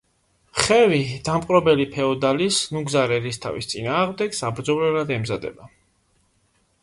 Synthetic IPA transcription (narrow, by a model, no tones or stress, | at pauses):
χɛvid̪̥amqʼɾɔbɛlipʰɛɔd̪alisnuɡzaɾɛɾist̪ʰa̰vist̪sʼinaːʁmd̪ɛɡ̥sabɾd̪zɔvlɛɾad̪ɛmzad̪ɛ̰ba